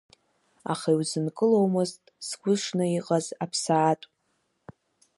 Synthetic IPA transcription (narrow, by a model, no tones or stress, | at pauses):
a̰χaiwzɨnkʼɨlowmɨztʼsɡʷʊʂnɨiqʼazapʰsaːtʼ